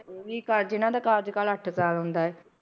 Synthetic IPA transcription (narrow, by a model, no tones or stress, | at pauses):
ʋiːkəɾd͡ʒɪnãːd̪aːkaːɾd͡ʒkaːləʈʰsaːlɦʊ̃nd̪aːɛː